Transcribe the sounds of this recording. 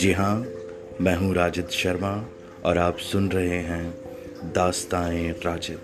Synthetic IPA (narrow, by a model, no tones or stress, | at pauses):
d͡ʒiɦã | mɛ̃ːɦũɾaːd͡ʒɪt̪ʃɐɾma | ɔːɾaːpsʊnɾɐɦeɦɛ̃ | d̪aːst̪aːẽɾaːd͡ʒɪt̪